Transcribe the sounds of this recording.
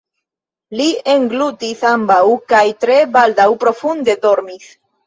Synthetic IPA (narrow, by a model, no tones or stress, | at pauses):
lie̞ŋɡlut̪isambawkajt̪ɾe̞bald̪awpɾo̞fund̪e̞do̞ɾmis